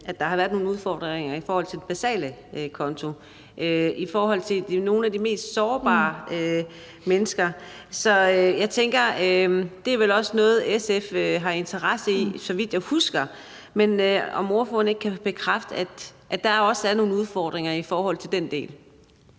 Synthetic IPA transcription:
ʔæd̥ɑ̈hɑʋæːɐð̥ˠno̝ːnuð̞ˠfɒ̰ːd̥ʁeŋɐifɒːhɒ̽l̰t͡sʰe̝d̥e̝b̥æsɛ̰ːləkʰɒ̽nt͡sʰo̝ | ʔøifɒːɦɒ̽l̰t͡sʰe̝d̥no̝ːn̩æd̥ime̝̰ːsd̥sɒːb̥ɑ̰̈ːø | menəsɡ̥ɐ | sɒ̽øjɑ̈ɪt͡sʰeŋ̰ɡ̥ɐød̥e̝æʋelɒ̽sənɔ̽ːð̞̩ˠeseføɦɑ̈e̝nt͡sʰɐʁasəisɒ̽ʋid̥jaɪhusɡ̥ɐ | menøɒ̽mo̝ɐfɔ̰n̩e̝ɡ̥ə̥kʰæb̥e̝kʰʁafd̥əæ̥ʔæ̥ɑ̈æɐɒ̽sæɐno̝ːn̩uð̞ˠfɒ̰ːd̥ʁeŋɐifɒːhɒ̽l̰t͡sʰe̝ld̥en̰d̥e̝̰ːl

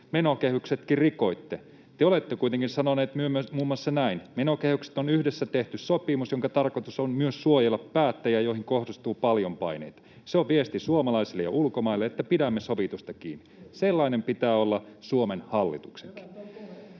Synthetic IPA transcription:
menokehykset̪kirriko̞it̪ːe | t̪eolet̪ːekuit̪eŋkinsɑnoneːt̪myømmuːmːwɑsːɑnæinmenokehykse̥t̪onyhdesːæt̪eht̪yssopimusjoŋkɑt̪ɑrkot̪usonmyøssuojelːɑpːæːt̪ːæjæjoihiŋkohdist̪uːpɑljompɑinḛit̪ɑ̥ | seoʋʋiest̪isuomɑlɑisilːejɑ̰ʔulkomɑilːeet̪ːæpidæmːesoʋit̪ust̪ɑkiːnːiselːɑinempit̪æːolːɑsuomenhɑlːit̪ukseŋki̥

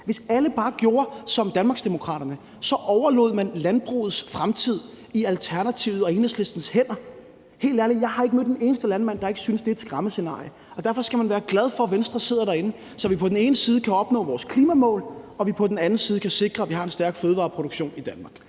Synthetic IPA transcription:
ʋe̝sæləb̥ɑ̈ːɡ̥jo̝ːɐsɒ̽md̥ænmɑ̈ːɡsd̥e̝mo̝kʰʁɑ̰̈ːɾ̥ɐnə | sɒ̽ʔɒʊɐlo̝̰ð̞̰ˠmænlænb̥ʁṵːð̩ˠsfʁamt͡sʰið̰ˠ | iælt͡sʰæɐnæt͡sʰḭʊð̩ˠɒ̽enheslesd̥n̩shen̰ɐ | he̝̰ːldæɐliðˠjɑ̈ɪhɑ̈e̝ɡ̥əmød̥̚d̥ene̝ːnəsd̥əlænmæn̰d̥ɑ̈e̝ɡ̥əsynsd̥e̝æd̥sɡ̥ʁɑ̈məse̝nɑ̰̈ːjə | ɒ̽d̥æɐfɒ̽sɡ̥æmænʋæːɐɡ̥læð̞ˠfɒ̽ʋensd̥ʁɐse̝ð̰ˠɐɾæɐe̝nə | sɒ̽ʋipʰɒ̽d̥en̩e̝ːnəsiːðˠəkʰæɒ̽b̥nɔ̰̽ːʋɒːskʰliːmæmɔ̰ːlɒ̽ʋipʰɒ̽d̥en̩ænn̩siːðˠkʰæse̝ɡ̥ʁɐæʋihɑ̈e̝nsd̥æɐɡ̥føːðˠʋɑ̰̈ːpʰʁo̝ɾ̥oɡ̥ɕo̝̰ːnid̥ænmɑ̈ːɡ̥

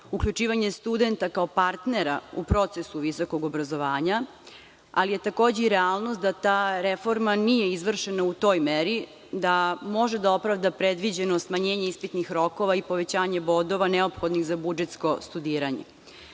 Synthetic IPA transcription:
ukʎut͡ʃiːʋaɲe̞st̪ud̪e̞nt̪akaopaɾt̪ne̞ɾaupɾo̞t̪sesuʋisoko̞ɡobɾazo̞ʋaːɲa | a̰lije̞t̪ako̞ːd͡ʑeiɾɛalˠnost̪̚d̪at̪aːɾefo̞ɾmanijeizʋr̩ʃenaut̪o̞ːjmeɾi | d̪amo̞ʒed̪ao̞pɾaʋd̪apɾed̪ʋid͡ʑenosmaɲeːɲe̞ispit̪nixɾo̞ko̞ʋaipo̞ʋe̞t͡ɕaːɲebo̞d̪o̞ʋaneopxod̪niɣzabud͡ʒet̪sko̞st̪ud̪iːɾaɲḛ

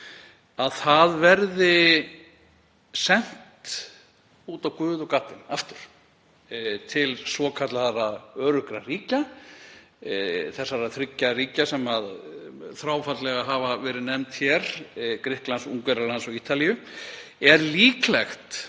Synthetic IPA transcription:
aðθaðvɛɾðɪ | sɛn̥t̪ | uːt̪awkʏːðɔwkaːt̪ɪnaft̪ʏɾ̥ | t̪ʰɪlsvɔːkʰat̪laθaraœːɾʏhkɾariːca | θɛsːaɾaθɾɪcːariːcasɛmaðθɾaːwfat̪lɛɣaɦavavɛːɾɪnɛmt̪çɛɾ̥kɾɪhklansuŋkvɛɾalansɔɣiːt̪alijʏ | ɛɾliːklɛxt̪

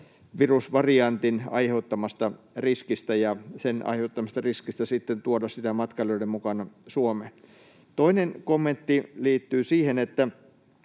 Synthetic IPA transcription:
ʋirusʋɑriɑnt̪inɑ̰iheut̪ːɑmɑst̪ɑ | riskist̪æjɑsenɑ̰iheut̪ːɑmɑst̪ɑriskist̪æsit̪ːent̪uodɑssit̪æmɑt̪kɑlːoidemmukɑnɑsuome | t̪oinenkomːent̪ːiliːt̪ːyːsiːhenet̪ːæ

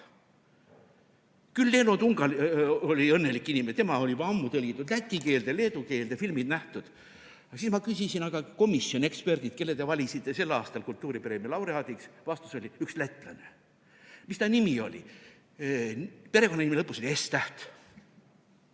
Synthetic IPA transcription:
kylːe̞ːnot̪uŋɡ̥ɑlolʲiɤnːe̞likːˑinʲimest̪emɑo̞lʲipɑɑmːut̪ɤlʲɡit̪ːˑud̪læt̪ʲːˑike̞ːld̪̥ele̞ːd̪uke̞ːld̪efilmid̪næht̪ud̪̥ | ɑsismɑkysʲisinɑɡ̥ɑko̞misːio̞ne̞kspe̞rd̪id̪̥̚ke̞lːet̪e̞vɑlʲisit̪ːˑe̞se̞lːɑːst̪ɑlkult̪ːuːɾipeɾe̞melɑwɾeɑːd̪iksvɑst̪u̥so̞lʲiykslæt̪ˑːlɑne̞ | mist̪ɑnimio̞̰lʲḭ | pe̞ɾe̞konɑimilɤpːˑuso̞lʲiest̪æht̪

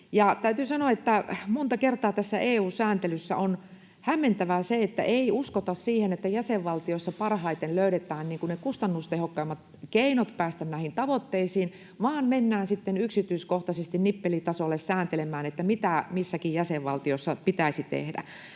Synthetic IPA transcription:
jɑt̪æyt̪yːsɑnoɑet̪ːæmont̪ɑkert̪ɑːt̪æsːæʔeːuːsæːnt̪elysːæ̰on | hæmːent̪æʋæseet̪ːæ̰ʔeiuskot̪ɑssiːhenet̪ːæjæseʋʋɑlt̪iosːɑpɑrhɑit̪enløyɾet̪ˑæːnniːŋkunnekust̪ɑnːust̪ehokːɑːmːɑt̪ | keinot̪pæːst̪ænnæhint̪ɑʋot̪ːeisiːn | ʋɑːnmenːæːnsit̪ːenyksit̪yiskoht̪ɑsest̪innipːelit̪ɑsolːessæːnt̪elemæːnet̪ːæmit̪æmisːækijjæseʋʋɑlt̪iosːɑpit̪æisit̪ḛhdæ̰

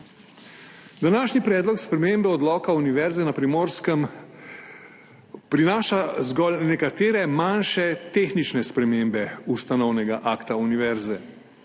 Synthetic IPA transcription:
d̪anaːʃnipɾɛːd̪lɔkspɾɛmembɛɔd̪lɔːkauniʋɛɾzɛnapɾimoːɾskəm | pɾinaːʃazɡɔlnɛkat̪eːɾɛmanʃɛt̪exnit͡ʃnɛspɾɛmembɛust̪anɔwnɛɡaʔaːkt̪auniʋɛɾzɛ

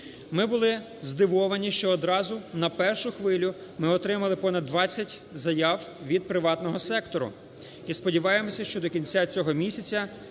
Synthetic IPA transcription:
mɪbʊlˠɪ | zd̪ɪʋɔʋɐnʲiʃt͡ʃɔːd̪ɾɑzʊnɐpɛrʃʊxʋɪlʲʊ | mɪɔt̪ɾɪmɐlˠɪpɔnɐd̪ːʋɑt͡sʲːɐtʲzɐjɑwʋʲid̪̚pɾɪʋɑt̪nɔɦɔsɛkt̪ɔɾʊ̰ | ispɔdʲiʋɑjemɔsʲɐʃt͡ʃɔd̪ɔkʲinʲt͡sʲat͡sʲɔɦɔmʲisʲɐt͡sʲɐ

